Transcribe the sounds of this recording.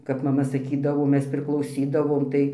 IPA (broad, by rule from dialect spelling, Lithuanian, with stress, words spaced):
kɐp mɐˈmɐ sɐˈkʲiːdɐʋoː ˈmʲɛs pʲrʲɪklˠɐʊˈsʲiːdɐʋoːm tɐɪ